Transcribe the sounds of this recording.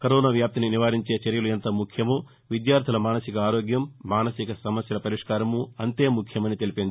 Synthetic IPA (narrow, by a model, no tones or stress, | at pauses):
kɐɾoːnaːʋjaːp̚t̪ininiʋaːɾiɲt͡ʃe̞ːt͡ʃɐɾjɐluent̪ɐmukʰjɐmu | ʋid̪jaːɾt̪ilɐmaːnɐsikɐaːɾoːɡjɐmːaːnɐsikɐsɐmɐsjɐlɐpɐɾiʂkaːɾɐmuɐnt̪e̞ːmukʰjɐmɐnit̪e̞lipind̪i